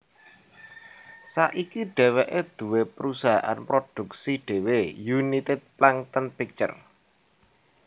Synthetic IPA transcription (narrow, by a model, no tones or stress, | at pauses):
saʔikiɖ̥ɛ̤wɛʔed̪̥ṳwepəɾusaɦa̰ʔa̰npɾod̪̥ṳk̚siɖ̪̥e̤wejunit̪ɪt̪̚plaŋt̪ənpik̚t͡ʃə̰r